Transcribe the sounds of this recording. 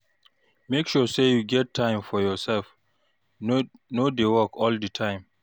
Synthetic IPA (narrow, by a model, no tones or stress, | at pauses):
mekʃusejuɡɛtʰːãɪ̃mfɔjɔsɛlf | nodewɔkɔldətʰãɪ̃m